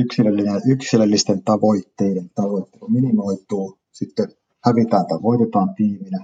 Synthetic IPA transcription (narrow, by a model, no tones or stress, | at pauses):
yksilelːineyksilelːist̪ent̪ɑʋoit̪ːeident̪ɑʋoit̪ːeluminimoit̪uː | sit̪ːe | hæʋit̪æːnt̪ɑʋoˑit̪et̪ɑːmpiːminæ